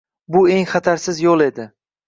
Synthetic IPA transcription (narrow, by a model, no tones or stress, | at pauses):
bʊe̞ŋχɑt̪ʰaɾsɪzjolˠe̞d̪ɪ